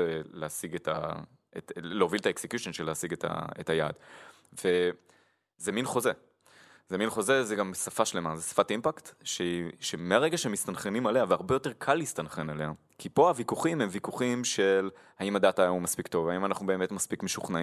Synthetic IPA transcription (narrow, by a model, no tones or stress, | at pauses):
eleasiɡetʰa̰ | etleovilt̪aeksekjuʃonʃeleasiɡet̪ʰa̰etaja̰ːd | ve̞ | zeminχo̞ze | zeminχo̞zezeɡamsafaʃle̞mazesḁfatimpakt̪ʃeʃemeaʁe̞ɡaʃeemist̪anχenimaleaveaʁbejo̞te̞ʁkʰalhist̪anχenale̞a | kʰipo̞avikuχimhemvikuχimʃel | haimad̪atajamumaspikt̪o̞vaimanaχnube̞ːme̞tmaspikmeʃuχnai